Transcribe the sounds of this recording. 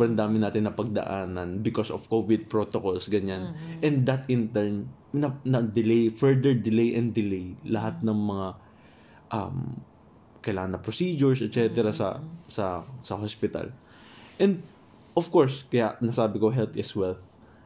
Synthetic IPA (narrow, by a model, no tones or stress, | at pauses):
bɾɐnd̪aːmɪnaːt̪ɪnːɐpɐɡ̚d̪ɐ̰ʔaːnɐnbɪkosov̥kovɪd̪̚pɹoːt̪okolsɡɐɲanʔɛnd̪ɐt̪ɪnt̪ɛɹm | nɐnɐd̪ɪlɛjfɛɹd̪ɛɹd̪ɪlejʔɛnd̪ɪlejlɐɦat̪̚nɐŋmɐŋa | ʔɐ̰m | kɐjlaːŋɐnːɐpɾosiːd͡ʒʊɹsɛt̪̚t͡ʃɛt̪ɛɾɐsɐ̰sɐsɐhospɪt̪ɐ̰l | ʔɛ̃nd̪̚ | ʔofkoɹskɐjaʔnɐsaːbɪkoɦɛlt̪ʔɛswɛlθ